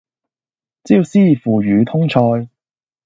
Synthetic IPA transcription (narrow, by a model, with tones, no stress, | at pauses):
t͡siː˥˧siː˥˨˩fuː˨ɥyː˨˧t̪ʰʊ˥ŋt͡ʃʰɔː˧j